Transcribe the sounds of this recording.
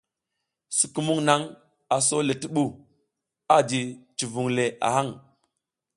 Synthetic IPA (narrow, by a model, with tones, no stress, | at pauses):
su˨ku˨˦mu˦ŋna˦ŋ | a˨so˦le˨ti˦ɓu˦˨ | a˦d͡ʒi˨t͡ʃi˨vu˨ŋle˨ʔa̰˨ha˦˨ŋ